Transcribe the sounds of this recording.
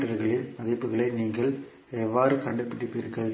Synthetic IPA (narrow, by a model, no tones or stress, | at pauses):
ʈɐɾɣɐɭɪmɐðɪpːɯɣɐɭɐɪniːŋɡɐɭ | ɛʋːaːɾɯkɐɳɖɯpːɪɽɯpːɪɾɯkːɐɭ